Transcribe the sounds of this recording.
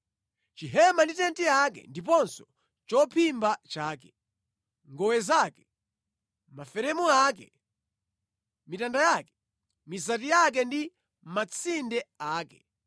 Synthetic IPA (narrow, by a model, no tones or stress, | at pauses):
t͡ʃiɦɛmanditɛntiakɛ̰ndip̬ɔnsɔ | t͡ʃɔpʰimbat͡ʃaːkɛ̥ | ŋɡɔwɛzaːkɛ | mafɛɾɛmuakɛ | mitandajaːkɛ̥ | mizat̬ijak̬ɛndi | mat͡sʰindɛaːkɛ